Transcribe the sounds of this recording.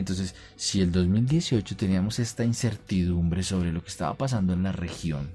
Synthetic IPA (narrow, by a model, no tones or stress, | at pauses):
ent̪o̞ns̬e̞s | sie̞ld̪o̞zmild̪je̞sio̞t͡ʃo̞t̪e̞niamo̞se̞st̪ainse̞ɾt̪iðumbɾe̞so̞βɾe̞lo̞keːst̪a̰βa̰pas̬and̪oe̞nlare̞xjo̞̰n